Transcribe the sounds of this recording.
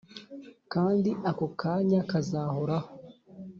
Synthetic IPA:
kaːndiʔakokʰaːɲakazaːhoɾaho

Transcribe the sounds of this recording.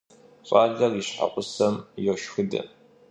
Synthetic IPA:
ɕʼɑːɮɐriɕħa̰qʷʼʊsɐmjɛʃxɨdɐ̰

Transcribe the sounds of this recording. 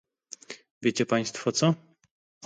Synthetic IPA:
vʲjet͡ɕɛpaj̃st̪fɔt̪sɔ

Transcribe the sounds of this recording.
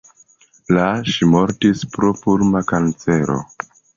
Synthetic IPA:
laʃimo̞ɾtispɾopuɾmakant͡se̞ɾo̞̰

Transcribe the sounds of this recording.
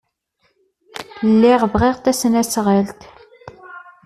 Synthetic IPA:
lːiʁvʁeʁt̪æsənæsʁəlt̪

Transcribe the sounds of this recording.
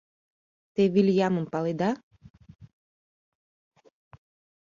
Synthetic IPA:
t̪eviljaməmpalˠid̪a

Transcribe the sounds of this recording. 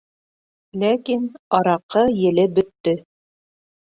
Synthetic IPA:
lækinɑɾɑqɤjɘ̆lɘbɵ̆t̪ːɵ

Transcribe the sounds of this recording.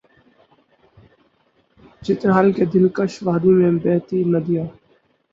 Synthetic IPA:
d͡ʒɪt̪nɦaːlkeːd̪ɪlkəʃʋaːd̪iːmẽːbɛːt̪iːnəd̪ɪjaː

